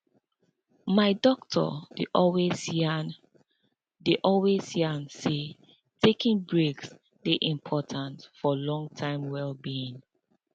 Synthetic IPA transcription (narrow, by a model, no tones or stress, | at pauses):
maɪdɔk̚tʰɔ̰d̥eʔɔlwezn | deʔɔlwez̥hjanse | tʰekĩŋbɹeks | deʔĩmpʰɔtʰãntfɔlɔ̃ŋtʰãɪ̃mwɛlbiĩŋ